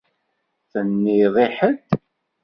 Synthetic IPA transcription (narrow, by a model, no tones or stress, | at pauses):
θənːiðˤiħəd̪